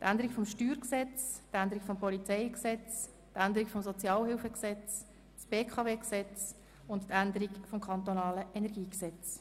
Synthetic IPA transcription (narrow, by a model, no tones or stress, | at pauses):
t̪ʔænd̪əɾikfɔmʃtyːɾksɛt͡stænd̪əɾikfɔmpɔlit͡sɛɪksɛt͡s | tænd̪əɾikfɔmsɔt͡sjɑːlhɪlfəksɛt͡s | sb̥eːkʰɑveːksɛt͡s | ʊntt̪ænd̪əɾikfɔmkʰɑnt̪onɑːləʔɛnɛʁɡiːksɛt͡s